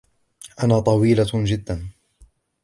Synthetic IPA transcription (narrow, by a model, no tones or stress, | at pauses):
ʔanaːt̪ˤɑwiːlad͡ʒɪd̪ːan